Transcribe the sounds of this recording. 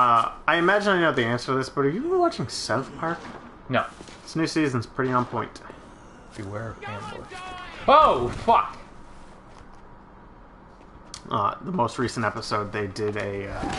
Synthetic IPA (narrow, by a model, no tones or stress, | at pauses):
ʌaɪɨmæd͡ʒɨ̃nnoʊðiæ̃nsə˞ðɪsb̥ʌɾə˞jɨwɑt͡ʃɪ̃ŋsaʊθpʰɑɹk | no | ɪsnʉsiz̃n̩z̥pʰɹ̥ɪɾiə̃npʰɔ̃ɪ̃nt | b̥iwɛɹʌv̥æ̃nbɔ̰ɹoʊfʌk | ʌ̰ðəmoʊst̚ɹisn̩tɛpəsoʊd̪̚ðeɪdɪɾɨ